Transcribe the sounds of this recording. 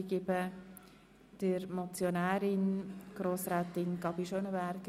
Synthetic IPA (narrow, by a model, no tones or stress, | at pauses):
ɡɪbə | d̥əɾmɔt͡sjonæːɾɪnɡ̥ɾoːsɾɛːt̪ɪnɡɑbiʃonəvɛɾk